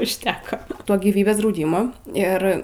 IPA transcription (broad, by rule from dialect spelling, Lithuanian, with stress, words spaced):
ʊʃʲˈtʲæːkoː ˈtoː ɡʲiːˈʋʲiːbʲeːs drɐʊˈdʲiːmoː ˈɪr